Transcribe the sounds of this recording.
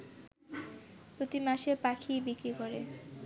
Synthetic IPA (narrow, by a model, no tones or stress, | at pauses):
pɾot̪imaʃepakʰijbikɾikoɾe